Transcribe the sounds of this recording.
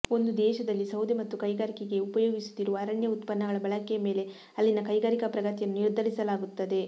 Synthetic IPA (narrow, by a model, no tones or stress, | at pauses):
o̞nd̪ud̪ɛːʃɐd̪ɐlːisɐwd̪imɐt̪ːukɐjɡaːɾikeɡe̞upɐjoːɡisu̥d̪iɾuʋɐːɾɐɳjɐut̪pɐnːɐɡɐɭɐbɐɭɐkɛjɐmeːle̞ | ɐlːinɐkɐjɡaːɾikɐpɾɐɡɐt̪ijɐnːuiɾd̪ʱɐlisɐlaːɡut̪ːɐd̪e̞